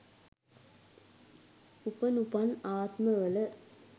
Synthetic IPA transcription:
upənupanaːt̪məʋələ

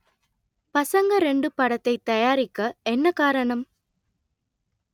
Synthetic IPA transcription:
pɐsɐŋɡɐɾɛɳɖɯpɐɽɐt̪ːɐɪt̪ːɐjaːɾɪkːɐɛnːɐkaːɾɐɳɐm

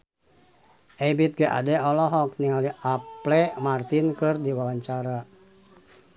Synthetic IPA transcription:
ʔɛbit̪̚ɡaʔa̰dɛɔlɔɦɔk̚niŋaliʔaplɛmart̪inkɨrdiwawaɲt͡ʃaɾa

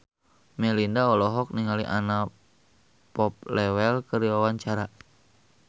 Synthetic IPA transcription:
mɛlindaɔlɔɦɔk̚niŋaliʔa̰na | pɔp̚lɛwɛlkəɾiwawaɲt͡ʃaɾa

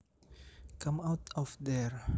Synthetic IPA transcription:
kãmawtʰɔfd̪ɛɹ

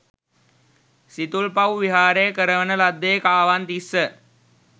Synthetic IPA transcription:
sit̪ulpɐwʋiɦaːɾejkəɾəʋənəlad̪ːejkaːʋant̪isːə

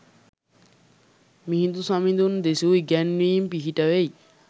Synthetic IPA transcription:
miɦid̪usamid̪und̪esujɡɛnːiːmpiɦiʈawej

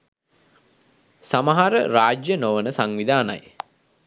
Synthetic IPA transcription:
samaɦaɾəɾaːd͡ʒjənoʋənəsaŋʋid̪aːna̰j

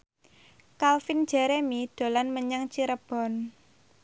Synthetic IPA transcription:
kalfin̥ʒ̥ɛ̤ɾemid̪̥o̤lanməɲaŋt͡ʃiɾəb̥ɔ̤n

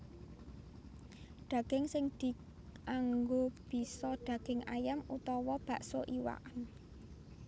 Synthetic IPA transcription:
ɖ̪̥a̤ɡ̥ɪŋsɪŋd̪̥i̤ | ʔaŋɡob̥i̤sɔɖ̪̥ä̤ɡ̥ɪŋa̰jamut̪ɔwɔb̥a̤ʔsoʔiwa̰ʔan

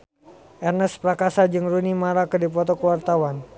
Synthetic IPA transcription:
ʔɛrnəspɾakasad͡ʒɨŋrunimaɾakɨdipɔt̪ɔkəwart̪awan

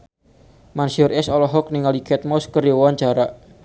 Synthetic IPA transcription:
mansiʊrɛsɔlɔɦɔk̚niŋalikʰɛt̪̚mɔskəɾjɔwaɲt͡ʃaɾaʔ

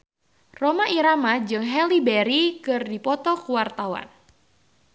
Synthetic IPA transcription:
romaʔiɾamad͡ʒɨŋɦɛlibɛɾikɨrdipɔt̪ɔkuwart̪awa̰n

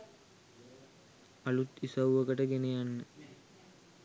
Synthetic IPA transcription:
alut̪isəwuʋəkəʈəɡenejanːə

